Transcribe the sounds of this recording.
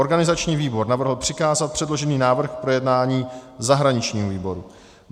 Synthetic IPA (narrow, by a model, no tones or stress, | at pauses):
oɾɡanɪzat͡ʃɲiːviːbo̞ɾnavr̩ɦl̩ˠpr̝̥ɪkaːzat̪̚pr̥ɛdlo̞ʒɛniːnaːvr̩xkpɾo̞jɛdnaːɲiːzaɦɾaɲɪt͡ʃɲiːɦoviːbo̞ɾu